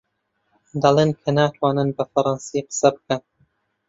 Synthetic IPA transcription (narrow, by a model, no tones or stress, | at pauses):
d̪ɑlˠeːnkʰɐnaːt̪ʰwaːnɨnbɐfɐɾˤɑnsiqə̥sɐbɨ̥kɐn